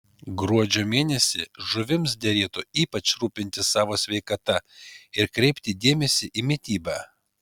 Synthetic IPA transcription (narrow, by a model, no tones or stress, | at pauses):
ɡɾuɔd͡ʒʲoːmʲeːnʲɛsʲɪʒʊʋʲɪms̬d̪ʲɛɾʲeːt̪ʊiːpɐt͡ʃɾuːpʲɪnʲt̪ʲɪsɑːʋoːsʲʋʲɛɪkɐt̪ɐɪɾkɾʲɛɪpʲt̪ʲɪd̪ʲeːmʲɛsʲɪʔiːmʲit̪ʲiːbɑː